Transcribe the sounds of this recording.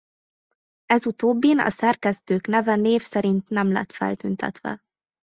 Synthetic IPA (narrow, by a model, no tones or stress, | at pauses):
ɛzut̪oːbːinɒ̰sɛrkɛst̪øːknɛvɛneːfsɛɾint̪nɛmlɛ̰t̪fɛ̰lt̪ynt̪ɛ̰t̪ʋɛ̰